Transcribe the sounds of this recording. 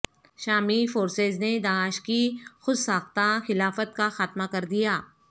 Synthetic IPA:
ʃaːmifoːɾseːzned̪aːʃkixʊd̪saːxt̪axɪlaːfət̪̚kaxaːt̪makɐɾd̪ijaː

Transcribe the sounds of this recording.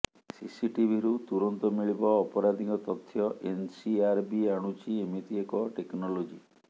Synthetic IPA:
sisiʈibʱiɾut̪uɾɔnt̪ɔmiɭibɔːpɔɾad̪ʱikɔt̪ɔt̪ʰːjɔʔensiaɾbiaɽ̃ut͡ʃiemit̪iekɔʈeknɔlod͡ʒi

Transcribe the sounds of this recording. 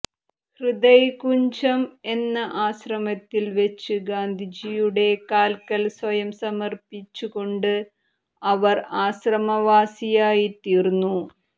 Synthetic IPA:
hrɨd̪ɐjkuɲd͡ʑɐme̞nːɐʔaːɕrɐmɐt̪ːilʋet͡ɕːɨɡaːnd̪ʱid͡ʑijuɽe̞kaːlkɐlswɐjɐmsɐmɐrpit͡ɕːuko̞ɳɖɨ | ɐʋɐraːɕrɐmɐʋaːsijaːjit̪iːrnːu

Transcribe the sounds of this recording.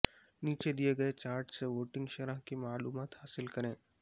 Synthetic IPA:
niːt͡ʃed̪ijeɡɐet͡ʃaːɾʈseʋoːʈɪ̃ŋɡʃɐɾãɦkimaːluːmaːt̪ɦaːsɪlkɐɾẽː

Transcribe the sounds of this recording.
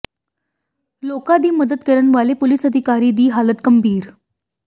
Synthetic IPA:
lokad̪iːməd̪ət̪kəɾəɳʋalepolisəd̪ʱikaɾiːd̪iːɦalət̪kəmbʱiːɾ

